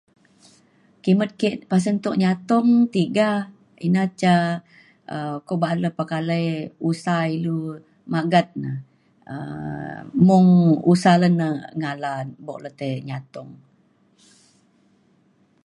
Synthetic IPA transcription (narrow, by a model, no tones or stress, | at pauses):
kimət̪̚keʔpas̬ənt̪oʔɲat̪ɔŋt̪iɡa | inat͡ʃa | əkobaʔləpakaləjusailu | maɡat̪̚nə̰ | ə̰ | mʊŋusalənəŋalanbɔ̰ʔlət̪əɲat̪ɔŋ